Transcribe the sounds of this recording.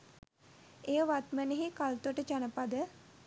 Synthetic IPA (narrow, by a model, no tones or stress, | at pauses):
ejəʋat̪məneɦikalt̪uəʈət͡ʃanəpad̪ə